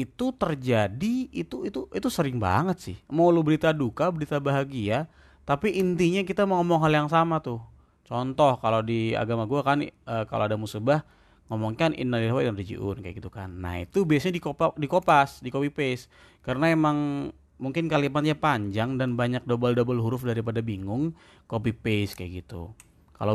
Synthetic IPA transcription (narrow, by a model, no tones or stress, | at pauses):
it̪ut̪ərd͡ʒadiit̪uit̪uʔit̪usəɾɪŋba̰ŋət̪̚sɪ̰hmawlubəɾit̪adukabəɾit̪abaɦaɡia | t̪apiʔːnt̪iɲakit̪amaŋɔmɔŋɦaljaŋsamat̪ʊh | t͡ʃɔnt̪ɔhkalodia̰ɡamaɡuakanəka̰lʔoadamusubah | ŋɔmɔŋkanɪ̰nːaliɾawadanrid͡ʒḭʔʊ̰nkaj̰aɡit̪ukanːa̰ḭt̪ubiasɲadikopadikopasdikopipes | karənaemaŋ | muŋkɪnkalimat̪̚ɲapaɲd͡ʒaŋdanbaɲak̚dobaldobalɦuɾʊfdaɾipadabiŋʊŋ | kopipeskaja̰ɡit̪ṵ | ka̰lo